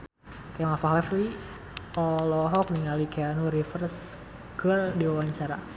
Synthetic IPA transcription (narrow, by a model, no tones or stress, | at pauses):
kajaŋafaɦɔfli | ɔlɔɦɔk̚niŋalikeanuɾifərs | kərdiwawaɲt͡ʃaɾa